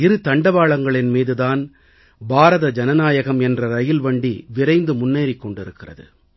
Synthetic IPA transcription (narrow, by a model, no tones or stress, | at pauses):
ɪɾɯt̪ɐɳɖɐʋaːɭɐŋɡɐɭɪnmiːðɯðaːn | bʱaːɾɐðɐd͡ʒɐnɐnaːjɐɣɐmɛndrɐɾɐjɪlʋɐɳɖiʋɪɾɐɪnd̪ɯmʊnːeːɾɪkːɔɳɖɪɾɯkːɪrɐ̰ðɯ̰